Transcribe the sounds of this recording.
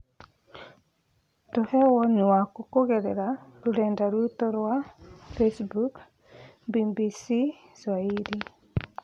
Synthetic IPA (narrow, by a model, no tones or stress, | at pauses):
tohɛwɔɲwakokoɣɛɾɛɾaɾoɾɛndaɾutoɾwafesbuk | bibisi | swaiɾi